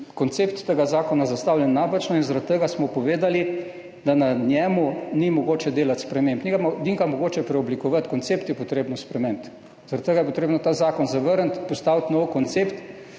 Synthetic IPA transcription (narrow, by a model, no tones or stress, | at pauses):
kɔnt̪seːpt̪ːəɡazaːkɔnazast̪aːwlʲjɛnːapat͡ʃnɔinzaɾat̪̚t̪əɡasmɔpɔʋeːd̪ali | d̪ananjɛːmunimɔɡoːt͡ʃɛd̪eːlat̪spɾɛmempnikad̪iŋkamɔɡoːt͡ʃɛpɾɛɔblikɔʋat̪kɔnt̪seːpt̪jɛpɔt̪ɾeːbnɔspɾɛmemt̪ | z̥aɾat̪t̪əɡajɛp̬ɔt̪ɾeːbnɔt̪aːzaːkɔnzaʋəɾənt̪pɔst̪aːwt̪nɔwkɔnt̪seːpt̪